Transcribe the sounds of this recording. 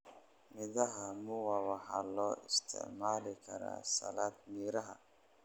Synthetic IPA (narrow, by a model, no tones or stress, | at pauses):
mɪðɐɦɐmʊwɑːwɑħɑlɔːʔɪst̪ʰɪ̰ʕmaːlɪkʰɐɾa̰ːsɐ̰laːd̪miːɾɐɦɐ